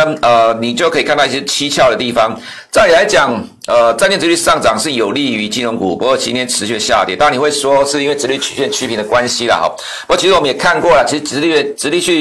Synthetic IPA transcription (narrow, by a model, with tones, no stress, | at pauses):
ə˧˩ni˨˩t͡ɕjo˥ʊkʰɤ˧˥i˨kʰa˥˧t̪ɕjɛ˥t͡ɕʰi˥t͡ɕʰjɑ˥˩ʊɾə˩t̪i˥˩fɑ˦ŋ | t͡sa˥˩ni˨˩la˧˥ɪt͡ɕjɑ˨˩ŋ | ə˧t͡sa˥˧njɛ˥˧nʈ͡ʂɻ̩˧˥y˥˩ʂɑ˥˩ŋʈ͡ʂɑ˨˩ŋʂɻ̩˥˩jo˨˩ʊli˥˧y˧˥t͡ɕi˥nɔ˧˥ŋku˨˩pu˧˥kwɔ˥˩t͡ɕʰi˧˥t̪ʰjɛ˥nʈ͡ʂʰɻ̩˧˥ɕy˥˩d̪ə˨ɕja̰˥˧t̪jḭ˥˩t̪ni˨˩we˥˩ɪsʂwɔ˥ʂɻ̩˥˩i˥nwe˥˩ɻ̩˧˥ly˥˩t͡ɕʰy̥˨˩ɕnt͡ɕʰy˥pʰi˨˦nd̪ə˨kwa˦nɕi˥la̰˨ɔ̰˧˩p | pu˧kɔ˥˩t͡ɕʰi˧˥ɻ̩˧wmə˦njɛ˨˩kʰa˥˧nkwɔ˥˨lə˩t͡ɕʰi˧˥ʂɻ̩˧ʈ͡ʂɻ̩˧˥i˥˧˩ʈ͡ʂɻ̩˧˥li˥˧ɕy˥˩